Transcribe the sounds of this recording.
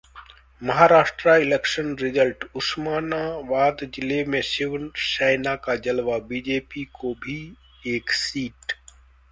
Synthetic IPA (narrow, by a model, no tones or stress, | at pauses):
mɐɦaɾaːʃʈɾaɪlekʃənɾɪzəlʈʊsmaːnaʋaːd̪d͡ʒɪlemẽsɪʋənt͡ʃaːɪnakad͡ʒɐlʋabiːd͡ʒeːpikobʱi | eːksiːʈ